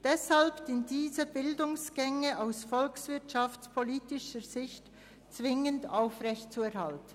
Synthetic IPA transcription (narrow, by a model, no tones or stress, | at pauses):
d̥ɛshalpsɪndiːzəbɪldʊŋsɡ̥ɛŋəaʊsfɔlksv̥ɪtʃaft͡spʰoliːtɪʃəz̥ɪçt | t͡sv̥ɪŋəndaʊfʁɛçtt͡suɛʁhaltən